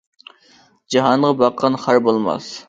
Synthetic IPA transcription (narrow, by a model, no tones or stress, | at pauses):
d͡ʒɑɦɑnʁɑbɑqʰːɑnχaɾbolˠmɑ̰s